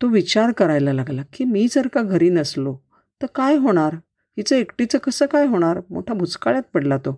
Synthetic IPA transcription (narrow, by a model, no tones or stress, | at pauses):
t̪oʋit͡ɕaɾkəɾajlalaɡlakiːmiːd͡zəɾkaɡʱəɾiːnəslo | t̪əɾkajɦoɽ̃aɾ | ɦit͡səekʈit͡səkəsəːkajɦoɽ̃aɾmo̰ʈʰjabʱut͡skaɭjãt̪̚pəɽlat̪o